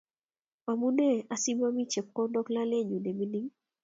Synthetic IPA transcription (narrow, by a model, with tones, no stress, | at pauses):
a˨mu˦ne˦˨a˨si˦ma˦mi˦t͡ʃɛ˨p̚kɔ˦dɔ˦kla˦lɛ˦˨ɲu˨de˨mi˦ni˦ŋ